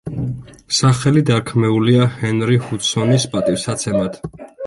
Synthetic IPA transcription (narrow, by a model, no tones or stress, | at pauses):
saχɛlid̪aɾkʰmɛuliahɛnɾihut̪sɔnispʼat̪ʼifsat̪sʰɛmat̪ʰ